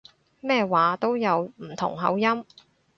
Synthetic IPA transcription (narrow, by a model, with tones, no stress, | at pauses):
mɛː˥˧waː˨˥t̪o˥wjɐ˨˧wm̩˨˩t̪ʰʊ̰˨˩ŋɦɐ̰˨˥wjɐ˥m